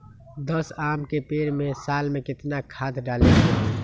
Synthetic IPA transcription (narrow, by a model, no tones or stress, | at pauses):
d̪əsaːmkepeːɾmẽsaːlmẽkɪt̪nakʰaːt̪ɖaːleteː